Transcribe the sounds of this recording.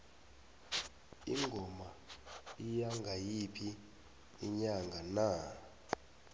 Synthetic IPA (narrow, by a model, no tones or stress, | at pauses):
ḭŋɡʱɔmaijaŋʱajipʰiː | ɲaŋɡʱana